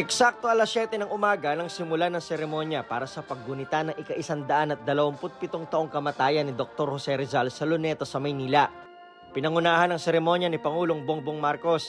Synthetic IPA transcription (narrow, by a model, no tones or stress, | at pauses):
ʔɛksak̚t̪oʔɐlasjɛt̪ɛnɐŋʔʊmaːɡɐnɐŋsɪmʊlanɐŋsɛɾɛmo̞njɐpaːɾɐsɐpɐɡ̚ːʊnɪt̪anɐŋʔɪkɐʔɪsand̪ɐʔanɐt̪̚d̪ɐlɐwɐmpʊt̪̚pɪt̪oŋt̪ɐʔo̞ŋkɐmɐt̪aːjɐnɪd̪ok̚t̪o̞ɾhosɛɾɛzalsɐlonɛt̪ɐsɐmɐjniːlɐ | pɪnɐŋʊnaːhɐnɐŋsɛɾɛmo̞njɐnɪpɐŋuːloŋboŋboŋmaɾko̞s